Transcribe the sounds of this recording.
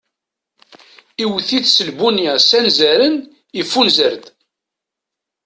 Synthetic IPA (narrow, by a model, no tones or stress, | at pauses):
iwθiðsəlbunjæsænzæɾən | əfːunzəɾd̪